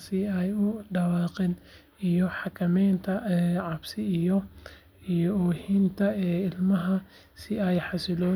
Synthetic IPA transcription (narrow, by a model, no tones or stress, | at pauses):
sɪɛjʊɖɐwɑːqɪn | ijɔħɑkʰɐmɛjnt̪ʰɐʕɑbsɪijɔ | ijɔɔːhint̪ʰɐɛːɪlmɐɦɐ | sɪɛjħɑsɪlɔ